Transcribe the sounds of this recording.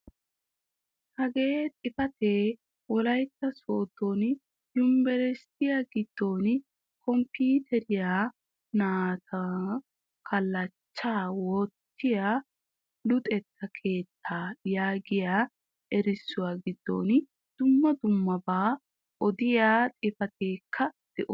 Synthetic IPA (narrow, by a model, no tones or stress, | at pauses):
hɐɡeːt̪ʼɪfɐt̪eː | wɔlɐjt̪ːɐsoːd̪o̞ːn | jʊmbɛɾɛst̪ɪjaːɡɪd̪̥ːo̞ːn | kʰɔmpiːt̪ʰɛɾɪjaː | naːt̪ʰɐ | kʰɐlːɐt͡ʃːaːwot̪ʰːɪjaː | lʊt̪ʼɛt̪ʰːɐkʰe̞ːt̪ʰːaːjaːɡɪjaː | ʔɛɾɪsːʊwaːɡɪd̪ːo̰ːn | d̪̥ʊmːɐd̪ʊmːɐbaː | ʔɔd̪ɪjaːt̪ʼɪfɐt̪e̞ːkʰːɐd̪̥ɛʔɔ